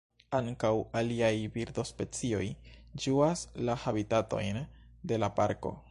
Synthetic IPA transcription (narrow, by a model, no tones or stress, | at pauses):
aŋkawaliajbiɾdo̞spe̞t͡sio̞jd͡ʒuaslahabitato̞̰jnde̞lapaɾko̞̰